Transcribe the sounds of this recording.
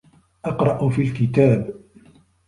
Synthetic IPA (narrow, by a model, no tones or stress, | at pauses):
ʔɑqɾˤɑʔʊfiːlkɪt̪aːb